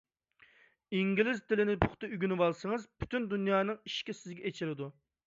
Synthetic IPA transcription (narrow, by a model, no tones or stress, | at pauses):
iŋɡʲilɪzt̪ʰɪlɪnɪpʰʊχt̪ʰɨyɡʲynɨwɑlˠsəŋɨzpʰy̥t̪ʰynd̪unjɑːnɨŋiʃkʲisɪzɡʲɛet͡ʃʰilɪd̪u